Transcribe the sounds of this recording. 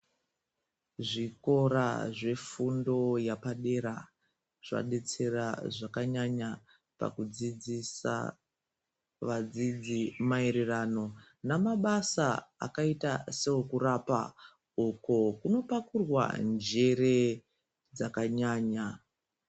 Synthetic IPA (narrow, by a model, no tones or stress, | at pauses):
ʐiko̞ɾa̰ʐe̞fundo̞japaɗe̞ɾa | ʐ̥a̰ɗe̞t͡se̞raʐakaɲaɲa | pa̰kud͡zid͡zisa̰ | ʋad͡zid͡zimaiɾirano̞ | namaɓasaa̰kaitaseokurapa̰ | uko̞kuno̞pakurwa̰nd͡ʒe̞ɾe̞ | d͡zakaɲaːɲa